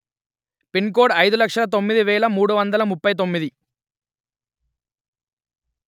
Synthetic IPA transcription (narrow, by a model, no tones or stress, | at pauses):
pink̬oːɖɐjd̪ulɐkʂɐlɐt̪̬o̞mːid̪iʋɛːɭɐmuːɽuʋɐnd̪ɐlɐmupːɐjt̪̬o̞mːid̪i